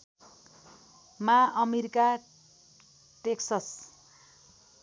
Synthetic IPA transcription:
maʌmeɾika | ʈeksʌs

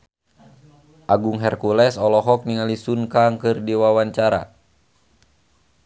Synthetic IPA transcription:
ʔaɡuŋɦɛrkulɛsɔlɔɦɔk̚niŋalisunkaŋkɨrdiwawaɲt͡ʃaɾa̰

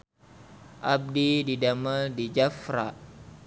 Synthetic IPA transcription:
ʔab̚dididaməldid͡ʒafɾa̰ʔ

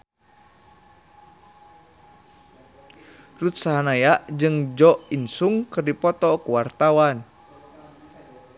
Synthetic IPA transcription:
rut̪̚saɦanajaʔd͡ʒɨŋd͡ʒɔʔinsuŋkɨrdipɔt̪ɔkuwart̪awan

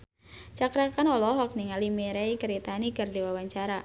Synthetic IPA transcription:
t͡ʃakɾakanɔlɔɦɔk̚niŋalimeɾɛjkəɾit̪anikardiwawaɲt͡ʃaɾa

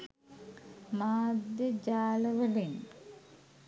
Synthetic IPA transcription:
maːd̪jəd͡ʑaːlɐʋɐlin

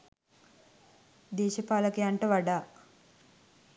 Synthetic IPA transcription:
d̪eːʃɐpaːlɐkejaɳʈəʋaɖaː

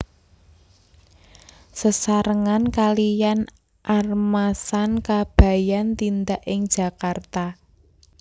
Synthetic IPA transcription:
səsaɾəŋankalijan | ʔarmasankab̥ä̤jant̪ind̪aʔɪŋ̥ʒ̥ä̤kart̪a

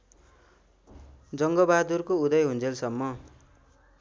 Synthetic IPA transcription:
d͡zʌŋɡʌbad̪urkoud̪ʌjɦund͡zelsʌmːʌ

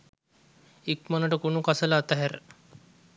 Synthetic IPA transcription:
ikmɐnəʈəkunukasəlaːt̪aɦæɾ

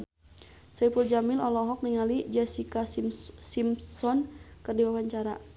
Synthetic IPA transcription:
saipuld͡ʒamɪlɔlɔɦɔk̚niŋalid͡ʒɛsikasimsɔnkɨrdiwawaɲt͡ʃaɾa̰

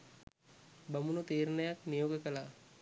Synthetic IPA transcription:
bamunut̪eːɾnəjaknijoːɡəkəla

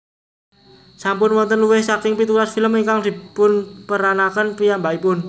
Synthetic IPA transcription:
sampʊnwɔnt̪ənluwɪhsakɪŋpit̪ulasfiləmiŋkaŋd̪̥i̤pʊnpəɾanakənpijambaipʊn

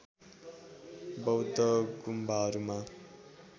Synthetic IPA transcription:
bʌwd̪ʌɡumbʱaʌɾuma

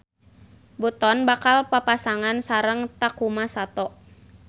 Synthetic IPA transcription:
bɔt̪ɔnbakalpapasaŋansaɾəŋt̪akumasat̪ɔʔ

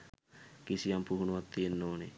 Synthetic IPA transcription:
kisijampuɦunuʋat̪ːienːoːne

